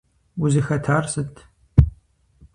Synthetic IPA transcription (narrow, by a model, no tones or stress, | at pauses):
ʊzɨxɐtʰaːrsɨtʰ